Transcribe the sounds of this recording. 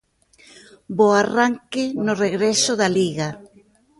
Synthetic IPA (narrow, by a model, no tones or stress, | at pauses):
boaraŋkɪnʊreɣɾesoðaliɣa